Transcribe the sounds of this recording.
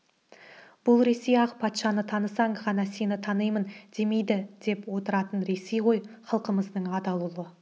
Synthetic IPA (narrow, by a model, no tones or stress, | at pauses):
b̥ʊlˠɾe̞sejɑqpʰɑt̪ʃɑnət̪ʰɑnəsɑɴʁɑnɑse̞nɪt̪ʰɑnəjmənd̪̥e̞me̞jd̪ɪd̪̥e̞pwo̞t̪əɾɑt̪ənɾe̞sejʁo̞jχɑlˠqəməzd̪əɴɑd̪ɑlˠulˠə